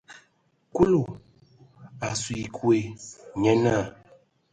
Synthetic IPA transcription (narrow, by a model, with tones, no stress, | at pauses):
ku˦lo˨ | a˨swi˨kwe˨ɲɛ˦na˦˨